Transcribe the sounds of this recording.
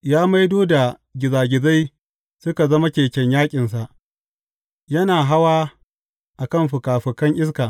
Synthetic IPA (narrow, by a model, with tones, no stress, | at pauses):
jaː˦ma˦jdoː˦da˨ | ɡʲɪ˨zaː˨ɡʲɪ˨za˦j | sʊ˦ka˨zɐ˦ma˦kʲeː˨kʲɛ˦ɲjaː˦kʲʼɪ˨ns̬a˨ʔ | jɐ˦naː˨ɦa˦waː˦ | ʔa˨kɐ˦˨mɸʊ˨kaː˨ɸʊ˨kɐ˦ŋʔɪ˦s̬kaː˨